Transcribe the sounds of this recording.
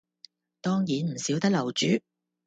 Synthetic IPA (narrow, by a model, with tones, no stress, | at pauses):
t̪ɔː˥ŋjiː˨nm̩˨˩siː˨˥wt̪ɐ˥k̚lɐ˨˩wt͡ʃyː˨˥